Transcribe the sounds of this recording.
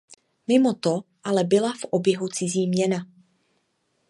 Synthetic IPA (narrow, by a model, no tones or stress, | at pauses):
mɪmo̞t̪o | ʔalɛbɪlafʔobjɛɦut͡sɪziːmɲɛna